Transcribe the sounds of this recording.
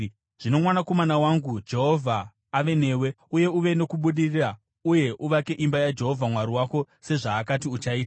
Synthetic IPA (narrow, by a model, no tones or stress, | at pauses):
ʐ̥ino̞mwanako̞manawaŋɡud͡ʒe̞ɦo̞vʱaː | ʋe̞ne̞ːwe̞ | uje̞uʋe̞no̞kuɓuɗirira | uje̞ʔuʋake̞ʔimbajad͡ʒe̞ɦo̞vʱamwaɾiwako̞ | se̞ʐaːkatiut͡ʃaiːta